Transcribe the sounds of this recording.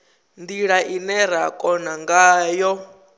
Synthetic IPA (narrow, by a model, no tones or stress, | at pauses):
ndiɺaʔinɛɾ̤akʼɔnaŋɡajɔ